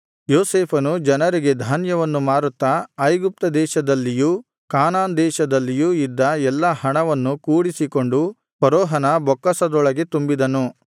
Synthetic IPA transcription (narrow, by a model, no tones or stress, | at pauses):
joːseːpʰɐnud͡ʒɐnɐɾiɡe̞d̪ʱaːnjɐʋɐnːumaːɾut̪ːɐɐjɡup̚t̪ɐd̪ɛːʃɐd̪ɐlːiju | kaːnaːnd̪ɛːʃɐd̪ɐlːijuid̪ːɐɛlːɐhɐɳɐʋɐnːukuːɽisiko̞ɳɖu | pɐɾɔːɦɐnɐbɔkːɐsɐd̪ɔɭɐɡe̞t̪umbid̪ɐnu